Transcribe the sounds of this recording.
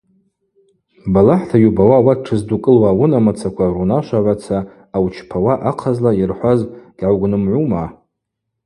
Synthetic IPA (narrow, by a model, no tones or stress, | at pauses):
balaħtʰajubawawat̚ʈ͡ʂʰɨzdukʼɨlwawunamat͡sʰakʷʰarunaʃʷaʕʷat͡sʰaː | wt͡ʃʰpʰawaʔaqʰazlairħʷazɡ̥ʲʕawɡʷnɨmʕʷuma